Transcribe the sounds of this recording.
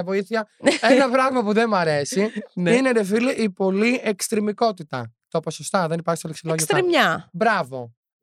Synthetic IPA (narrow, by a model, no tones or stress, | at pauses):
ɐvo̞iθiçɐenɐpɾɐɣmɐpuðe̞mɐɾe̞sinine̞ɾefiliʔipo̞liekst̪ɾemiko̞t̪it̪ɐ̰t̪opo̞sost̪ɐðe̞nipɐɾçst̪oleksiloʝsoɾemɲɐbɾɐvo̞̰